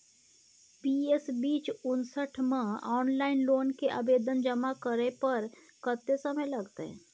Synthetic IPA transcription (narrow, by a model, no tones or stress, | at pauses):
piesbiːt͡ʃʊnsəʈʰmẽɔːnlaːɪnloːnkeʔa̰beːd̪ənd͡ʒəmakəɾepəɾ | kət̪ːesəməjlɐɡt̪eɦɛ̰̃